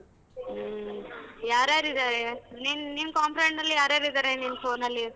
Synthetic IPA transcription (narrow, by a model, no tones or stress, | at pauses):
jaːɾjaːɾid̪aːɾeninninkaːmpɾeɳʈnɐlːijaːɾaɾid̪aːɾeninpʰoːnɐlːi